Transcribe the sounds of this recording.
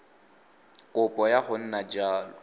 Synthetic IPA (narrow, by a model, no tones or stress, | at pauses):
kʼʊpʼɔjaχʊn̩nad͡ʒaːlɔ